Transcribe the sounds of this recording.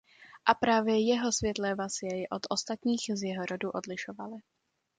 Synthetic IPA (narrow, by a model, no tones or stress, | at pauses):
ʔapɾaːvjɛjɛɦo̞svjɛt̪lɛvasɪjɛjɛʔo̞t̪ʔost̪at̪ɲiːxzjɛɦoɾoduʔo̞dlɪʃovalɪ